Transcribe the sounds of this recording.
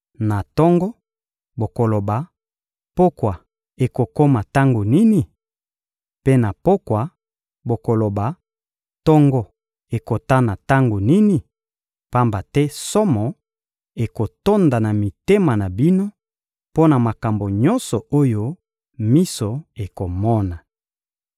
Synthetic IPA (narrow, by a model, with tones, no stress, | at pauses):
na˨tɔ˦ŋɡɔ˦ | bo˨ko˨lo˨ba˨ | po˦kwa˨ | e˨ko˨ko˦ma˨ta˦ŋɡo˨ni˦ni˨ | pe˦na˨po˦kwa˨ | bo˨ko˨lo˨ba˨ | tɔ˦ŋɡɔ˦ | e˨ko˨ta˦na˨ta˦ŋɡo˨ni˦ni˨ | pa˦mba˨tɛ˦sɔ˦mɔ˨ | e˨ko˨to˦nda˨na˨mi˨te˦ma˨na˨bi˦no˦ | po˦na˨ma˨ka˨mbo˨ɲɔ̃˦nsɔ˨o˦jo˦ | mi˦so˨e˨ko˨mɔ˦na˨